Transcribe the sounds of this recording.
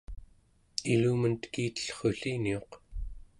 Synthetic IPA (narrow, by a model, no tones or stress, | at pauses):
iluːmənt̪kiːt̪ə̥ɬχoɬinio̞q